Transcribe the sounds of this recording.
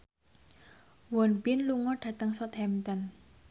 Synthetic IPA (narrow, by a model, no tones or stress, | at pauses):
wɔnbɪnluŋɔɖ̥ä̤t̪əŋsɔt̪hɛmt̪ɔn